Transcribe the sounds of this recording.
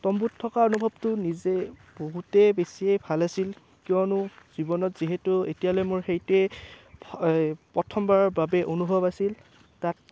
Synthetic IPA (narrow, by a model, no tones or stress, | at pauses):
tɔmbutʰːɔkaonubʱɔbtʊnizeb̥oɦutɛbesiejbʱalasil | kiɔnʊz̥ibɔnɔtz̥iɦetʊetijalɔmʊɹxejtɛ | pɹɔtʰɔmbaɹɔɹbabɛʔonubʱɔbasil | tat̚